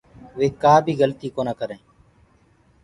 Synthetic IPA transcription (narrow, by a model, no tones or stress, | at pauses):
ʋeːkaːbʱiːɣəlt̪iːkoːnaːkəɾẽː